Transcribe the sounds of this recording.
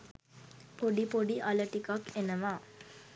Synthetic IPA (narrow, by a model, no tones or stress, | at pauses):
poɖipoɖiʔaləʈikakenəʋaː